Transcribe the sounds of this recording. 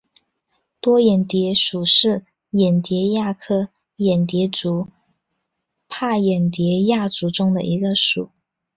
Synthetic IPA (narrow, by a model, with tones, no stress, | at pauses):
t̪wɔ˥jɛ˨˩nt̪jɛ˧˥ʂu˨˩ʂɻ̩˥˩ | jɛ˨˩nt̪jɛ˧˥ja˥˧kʰɤ˥ | jɛ˨˩nt̪jɛ˧˥t͡su˧˥ | pʰa˥˩jɛ˨˩nt̪jɛ˧˥ja˥˩t͡su˧˥ʈ͡ʂʊ˥ŋd̪ə̰˨ʔi˧˥ɡə˧ʂu˨˩˦